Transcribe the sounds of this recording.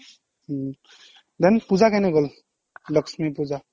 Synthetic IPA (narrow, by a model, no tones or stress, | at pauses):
d̪enpud͡zakaneɡol | lʌksmipud͡za